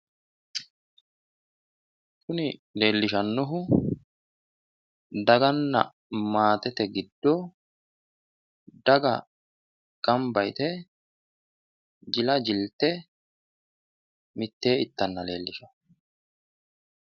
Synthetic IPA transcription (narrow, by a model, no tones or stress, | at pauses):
kʊnɪle̞ːlːɪʃɐnːɔɦʊ | d̪ɐɡɐnːɐ̰ | maːt̪ɛt̪ɛɡɪd̪ːɔ | d̪ɐɡɐ | ɡ̥ɐmbɐjt̪ɛ | d͡ʒɪlɐd͡ʒɪlt̪ːɛ | mɪt̪ːe̞ːɪt̪ːɐnːɐle̞̰ːlːɪʃɐ̥